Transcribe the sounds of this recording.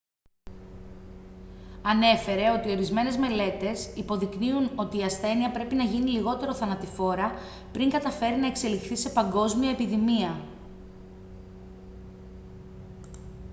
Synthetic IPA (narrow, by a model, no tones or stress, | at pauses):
ɐne̞fe̞ɾe̞o̞t̪io̞ɾizme̞ne̞zme̞le̞t̪e̞sipo̞ðikniuno̞t̪iːɐsθe̞niɐpɾe̞pinɐʝiniliɣo̞t̪e̞ɾo̞θɐnɐt̪ifo̞ɾɐ | pɾiŋɡɐt̪ɐfe̞ɾinɐe̞kse̞lixθise̞pɐŋɡo̞zmiɐepiðimiɐ